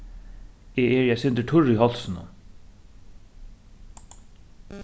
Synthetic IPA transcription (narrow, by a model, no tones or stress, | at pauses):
ɛːɛɹjɛsɪnt̪ɪʈʰʊɹiɦɔl̥sɪnʊ̰